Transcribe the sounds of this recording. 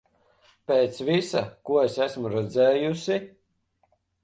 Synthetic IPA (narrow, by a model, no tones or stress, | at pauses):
peːt̪svisa̰kuɔesæsmuɾɛd̪zɛːjusi